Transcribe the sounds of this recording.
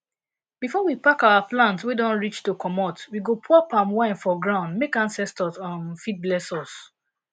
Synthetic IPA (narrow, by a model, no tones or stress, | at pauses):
bifɔwipakaaplãntwidɔ̃nɹit͡ʃtukʰɔmɔtwiɡopʰɔpãmwãɪ̃nfɔɡɹãʊ̃ndmekãnsɛstɔtɔ̃nfit̚blɛsɔs